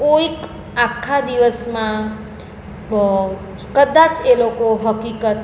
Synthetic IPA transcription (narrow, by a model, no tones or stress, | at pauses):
oik | akʰːad̪iʋəsmã | kəd̪ãt͡ʃelokoɦəkikət̪